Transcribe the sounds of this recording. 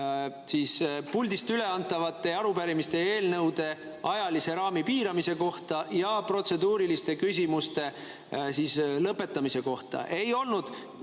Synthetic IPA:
siːspulʲd̪ist̪yle̞ɑnt̪ːˑɑvɑt̪ːˑe̞ɑɾupæɾimist̪e̞e̞ːlnɤwd̪̥e̞ | ɑjɑlise̞ɾɑːmipiːɾɑmise̞ko̞ht̪ɑjɑpro̞t̪se̞d̪uːɾilist̪e̞kys̬ʲimust̪e̞ | siːslɤpːˑe̞t̪ːˑɑmise̞ko̞ht̪ɑ̰ʔe̞jo̞lnud̪̥

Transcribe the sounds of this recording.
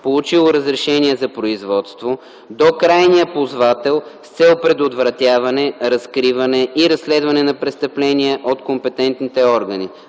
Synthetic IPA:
polˠut͡ʃilˠoɾəzɾɛʃɛniɛzɐpɾoizvɔt̪st̪vo | d̪okɾajniəpozvat̪ɛlˠfst̪sɛlpɾɛd̪od̪vɾɐt̪ʲjavɐnɛɾɐskɾivɐnɛʔiɾɐsːlɛd̪vɐnɛnɐpɾɛst̪ɐplɛniɛʔot̪kompɛt̪ɛnt̪nit̪ɛɔɾɡəni

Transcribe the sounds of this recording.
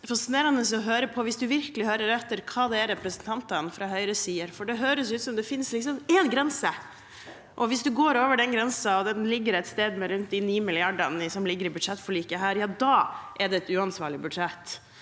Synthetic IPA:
fɑsɪneːɾɑnəsɔɦøːɾəpʰɔʋɪsd̪ʉʋɪɾkəlɪhœɾəɾɛt̪ːəɾkʰɑːd̪ɛæɾɛpɾɛsənt̪ʰɑnt̪ənfɾɑɦœʏɾəsiːəɾfɔɖɛɦøːɾəsjʉːt̪sɔmd̪ɛfɪnslɪksɔmɛnɡɾɛnsə | ʔɔʋɪsd̪ʉɡoːɾoːʋəɖɛnɡɾɛnsɑɔd̪ɛnlɪɡːəɾɛt̪st̪eːd̪mɛɾʉnt̪̚d̪ɪniːmɪlɪɑɖənɪsɔmlɪɡːəɾɪbʉd̪ʂɛt̪ːfɔɭiːkəɦæːɾjɑːd̪ɑːʔɛɖɛɛt̪ʉːɑnsʋɑːɭɪbʉd̪ʂɛt̪ː

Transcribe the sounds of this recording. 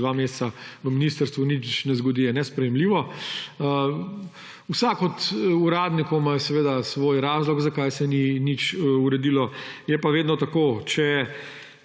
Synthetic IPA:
ʋameːst͡ssaʋəminist̪əɾst̪ʋunit͡ʃnɛzɡɔd̪ijɛnɛspɾɛjɛmliːʋɔ | usakɔt̪uɾaːd̪nikɔwmajsɛʋeːd̪asʋoːjɾaːzlɔɡzakajsɛninit͡ʃuɾɛd̪iːlɔjɛpaʋeːd̪nɔt̪akot͡ʃɛ

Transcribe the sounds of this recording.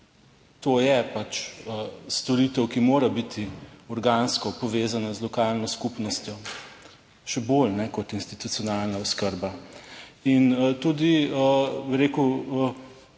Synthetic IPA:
t̪oːjɛpat͡ʃəst̪ɔɾiːt̪ɛwkimoːɾabit̪ʰiɔɾɡaːnskɔpɔʋeːzanazlɔkaːlnɔskupnɔst̪jɔ | ʃɛbolnɛkɔt̪inst̪it̪ut̪sijɔnalnaɔskəɾba | int̪ud̪iəbiɾeːku

